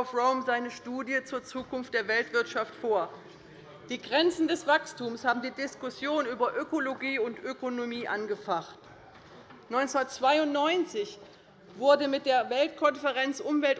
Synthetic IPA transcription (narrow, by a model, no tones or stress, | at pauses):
fʁoʊmzaɪnəʃtuːdjət͡suːɐt͡suːkʊnft̚d̥eːɐvɛltv̥ɪɐtʃaftfoːɐ | d̥iːɡʁɛnt͡sn̩dɛsv̥akstuːmshaːbm̩diːdɪskʊsjoːnyːbɐʔøkoloɡiːʊntʔøkonomiːʔanɡəfaχt | nɔʏnt͡sunɐt͡sv̥aɪʊntnɔʏnt͡sɪç | v̥ʊɐdəmɪt̚d̥eːɐvɛltkʰɔnfəʁɛnt͡sʔʊmvɛlt